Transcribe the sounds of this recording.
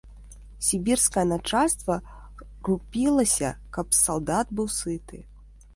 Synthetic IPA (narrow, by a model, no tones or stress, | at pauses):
sʲibʲirskɐjɐnat͡ʂalʲst̪vɐ | rupʲilˠɐsʲɐ̰kɐpsalˠd̪ad̪bɨwsɨt̪ɨ